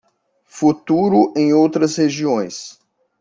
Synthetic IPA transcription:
fut̪uɾʊʔẽj̃owt̪ɾɐsheʒiõj̃s

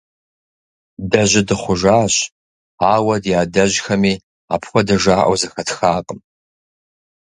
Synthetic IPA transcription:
dɐʑɪdɨχʷʊʒaːɕ | aːwɐdjaːdɐʑxɐmiː | a̰ːpʰxʷɔdɐʒaːʔɐ̰wzɐxɐtxaːqʼəm

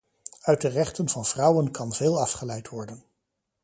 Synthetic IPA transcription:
œɥt̚dərɛχtənvɑnv̥rʌwənkɑnveːlˠɑfχəlɛjtʋɔɹdən

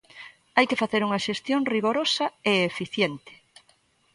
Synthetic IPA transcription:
ajkefaθeɾuŋɐʃest̪joŋriɣoɾosɐeefiθjent̪ɪ̥

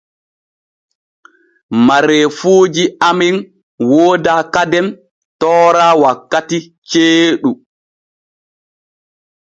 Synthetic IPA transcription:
maɾɛfuːd͡ʒiamɛn | woːdakadɛn | tɔːɾaːwakːati | t͡ʃeːɗu

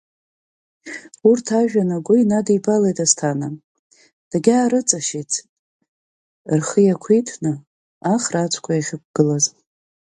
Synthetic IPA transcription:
urtʰaʒᶣanaɡʷʊinadibalejtʼastʰana | d̥aɡʲaːɾɨt͡sʼaʃet͡sʰ | rχəjakʷʰitʰnɨ | aχrat͡ʃʷʰkʷʰajaχʲɪkʷɡ̥ɨlaz

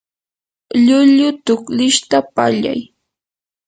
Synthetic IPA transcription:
ʎʊʎʊt̪ʊklɪʃt̪apaʎa̰j

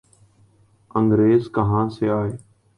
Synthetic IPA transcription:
əŋɡɾeːzkəɦãːseːaːɦeː

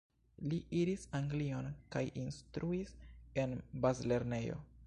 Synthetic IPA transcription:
liʔiɾisaŋɡlio̞nkajʔinstɾʔuise̞nbazle̞ɾne̞jo̞̰

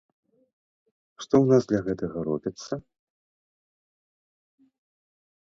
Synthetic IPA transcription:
ʂt̪ɔwnazd̪lʲɐɣɛt̪ɐɣɐɾɔbʲit̪sːɐ

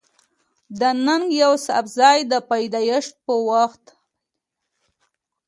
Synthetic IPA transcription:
d̪ənaŋɡjawsa̰bzɑjd̪əpajd̪ɑjəʂt̪̚pəwaxt̪

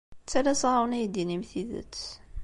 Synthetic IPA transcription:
t͡s̪ːælæsˤɑɑwnæjd̪inimθiðə̰t̪

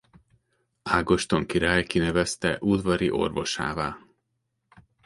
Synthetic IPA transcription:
aːɡo̞ʃt̪o̞ŋkiɾaːjkinɛvɛst̪ɛʔud̪vɒɾiʔo̞̰rvo̞ʃa̰ːvaːl

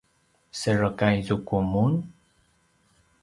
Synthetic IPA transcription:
səɹəkajzukumun

